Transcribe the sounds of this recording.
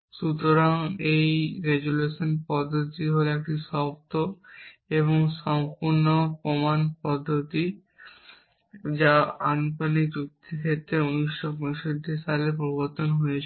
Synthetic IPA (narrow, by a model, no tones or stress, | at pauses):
ʃut̪ɾoɾaŋejɡeɡuleʃonpɔd̪ʱːot̪iɦoleek̚ʈiʃɔpt̪oeβoŋʃɔmpuɾnopɾomanpɔd̪ʱːot̪i | d͡ʑaant̪onik̚d͡ʑuk̚t̪ʰikʰet̪ɾeoniʃːokoʃod̪ʱiʃalepɾoboɾt̪onɦojet͡ɕʰe